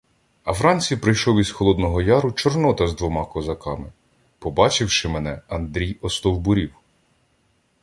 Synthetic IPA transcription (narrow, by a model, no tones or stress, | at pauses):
ɐwɾɑnʲt͡sʲijpɾɪjʃɔwizxɔlˠɔd̪nɔɦɔjɑɾʊt͡ʃɔrnɔt̪ɐzd̪ʋɔmɑkɔzɐkɑmɪ | pɔbɑt͡ʃɪwʃɪmɛnɛɐnd̪ɾʲijɔst̪ɔwbʊɾʲiw